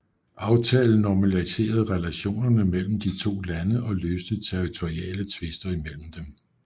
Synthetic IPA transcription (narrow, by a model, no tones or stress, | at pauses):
ʔɑ̈ʊt͡sʰɛːln̩ːɒmælise̝̰ːɐð̞̩ˠʁɛlæɕo̝̰ːnɐnəmel̰m̩d̥it͡sʰo̝̰ːlænəʔɒ̽løːsd̥əð̩ˠt͡sʰeʁit͡sʰoʁiɛ̰ːlət͡sʰʋe̝sd̥ɐimel̰m̩d̥em